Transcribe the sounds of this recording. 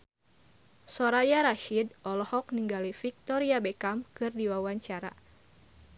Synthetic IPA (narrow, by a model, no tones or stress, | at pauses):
sɔɾajaɾaʃidʔɔlɔhɔk̚niŋɡalifik̚t̪ɔɾiabekamkɨrdiwawaɲt͡ʃaɾa̰